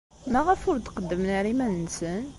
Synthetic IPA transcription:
mæʁəfʊɾt̪qəd̪ːəmnəɾimænnsən

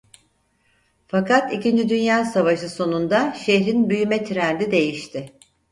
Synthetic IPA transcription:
fakat̪icind͡ʒid̪ynjaːsavaʃɯso̞nund̪aʃeçɾinbyjymɛt̪ʰiɾænd̪id̪e̞jiʃt̪ʰɪ

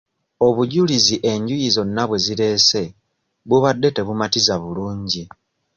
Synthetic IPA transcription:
o̞βuɟuliziʔe̞ɲɟujizo̞nːaβwe̞ziɾe̞se̞ | βuβadːe̞te̞βumatizaβuluːɲɟi

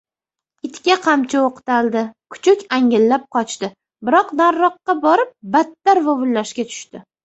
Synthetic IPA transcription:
ɪt̪kʲaqʰɑmt͡ʃʰaoqɨ̥t̪ʰald̪ɪkʰʊ̥t͡ʃʰʊkʲaŋɪlːap̚qʰɒt͡ʃʰt̪ɪ | bɪɾɒqnaɾːɒqːɑbɒɾɪp̚bat̪ːaɾvavʊlːaʃkʲat̪ʰʊ̥ʃt̪ɪ

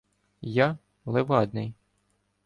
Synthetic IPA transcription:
ja | lˠeʋɑd̪nɪj

